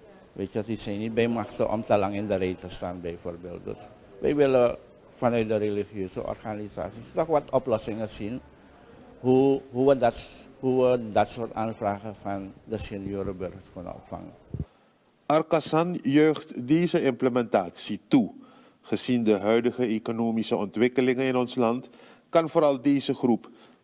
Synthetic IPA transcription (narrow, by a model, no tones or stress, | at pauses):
ʋḛtʋəsdisɛjnit̚bɛjmaxtəʔɔ̰mtəlɑŋɪndərejtəstaːnbɛjfoːrbeːlˠt̚dø̰s | ʋɛ̰jʋɪlə | fɑnœt̚dəreliχjøːzə̰ʔɔ̰rχaniza̰ːsistɔχʋɑtɔplɔsɪŋəz̥in | ɦuɦuʋədɑtɦuʋədɑtsoːɹtaːnfraːχəfɑndəseniøːɾəbɵrχəɹskønə̰nɔ̰pfɑ̰ŋə̰n | ʔɑrkasɑnjœɥχtdejzəɪmpləmɛntaːtsitu | χəz̥indəɦœɥdəχəekonoːmisəɔntʋɪkəlɪŋənɪnɔnslɑnt | kɑnvoːɾɑlˠdeːzəχrup